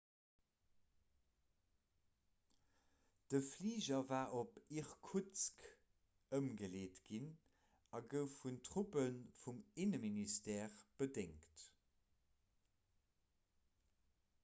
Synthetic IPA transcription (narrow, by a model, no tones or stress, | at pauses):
d̥əfliːʑɐvaːʔopiʁkʰut͡sk | əmɡəleːtɡ̥in | ɑɡəʊfuntʁupənfuminəministɛːʁb̥ədeŋkt